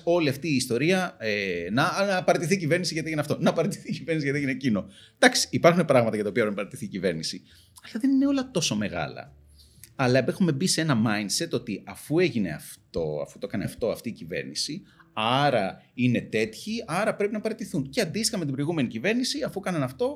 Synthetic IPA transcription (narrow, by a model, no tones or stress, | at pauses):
o̞liɐft̪iːst̪o̞ɾiɐenɐɐpɐɾet̪iθiːcive̞ɾnisiʝɐt̪ieʝineɐft̪onɐpɐɾet̪i̥θiːciveɾnisiʝɐt̪ieinecino̞d̪̥ɐksi̥ːpɐɾxune̞pɾɐɣmɐt̪ɐjɐt̪ɐoiɐpɾepnɐpɐɾet̪iθiːcive̞ɾnisi | ɐlɐðe̞nineo̞lɐt̪o̞so̞me̞ɣɐ̰lɐ̰ | ɐlɐpexume̞bise̞nɐmɐjndse̞t̪o̞t̪iɐfue̞ʝine̞̰ɐ̰ft̪o̞̰ɐ̰fu̥t̪okɐneɐft̪o̞ɐft̪iːcive̞̰ɾnisiɐɾɐine̞t̪e̞t̪çiɐɾɐpɾe̞pinɐpɐɾet̪iθunce̞ɐnd̪ist̪ixɐmet̪ibɾo̞iɣume̞nicive̞ɾnisiɐfukɐnɐnɐft̪o̞